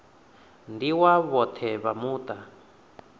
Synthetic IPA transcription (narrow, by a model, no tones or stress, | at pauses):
ndiwaβɔt̪ʰɛβamuːt̪a